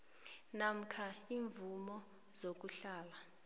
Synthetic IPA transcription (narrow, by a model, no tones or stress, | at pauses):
nam̩kʰaiːɱvumɔ | zok̬uɬaːla